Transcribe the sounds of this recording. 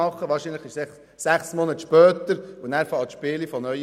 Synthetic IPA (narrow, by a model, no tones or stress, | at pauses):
ɑχːəʋɑːɾʃiːnləχɪʃsɛχ | sæχsmɔnət̪ʃpœːt̪əɾʊnæːɾfɑːt̪ʃpɪːlifɔnœʏ